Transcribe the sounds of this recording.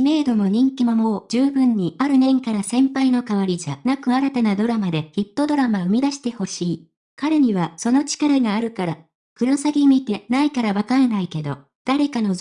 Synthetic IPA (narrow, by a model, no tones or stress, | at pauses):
me̞ːd̪o̞mo̞ɲ̟ĩŋkʲimomo̞ːd͡ʑ̥ɨːbɯ̟̃ɲ̟ːiaɾɯ̟nẽ̞ŋkaɾasẽ̞mpaino̞kaβaɾʲid͡ʑanakɯ̟aɾat̪anad̪o̞ɾamad̪e̞çʲit̪ːo̞d̪o̞ɾamaɯ̟mʲid̪aɕi̥t̪e̞ho̞ɕiː | kaɾe̞ɲ̟iβaso̞no̞t͡ɕi̥kaɾaɡaːɾɯ̟kaɾa | kɯ̟ɾasaɡʲimʲit̪e̞naikaɾaβakaɾenaike̞d̪o̞̰ | d̪̥aɾe̞kano̞